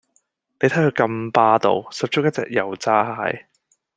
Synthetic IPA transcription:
p̪e˨˧jt̪ʰjkɵ˧jkɐ˧mpaː˧t̪o̰˧wsɐ˨p̚t͡ʃʊ˥kjɐ˥t͡sɛ̰ː˨k̚jɐ˨˩wt͡saː˧˥haː˨˧˥j

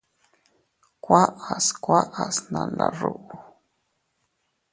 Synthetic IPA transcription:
kwa˦a˨skwa˦ʔa˨sna˨na˨ɾu˦ʔu˨

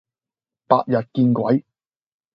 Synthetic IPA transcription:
pa̰ː˧t̚jɐ˨t̚kiː˧nkʷɐ˨˥j

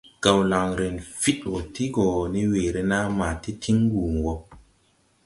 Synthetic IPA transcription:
ɡ̥a˨wla˨ŋɾe˨nfi˦two˨ti˦ɡo˨ni˦weː˨ɾe˦na˦maː˨ti˦tʰi˦ŋ˦ɡuː˨ŋ˨ɡo˨

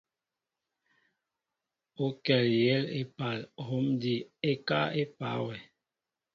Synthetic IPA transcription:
o˦kɛ˨ljɛ˦le˦pa˨lho˨˦mdi˨e˦ka˦e˦pa˨˦wɛ˨

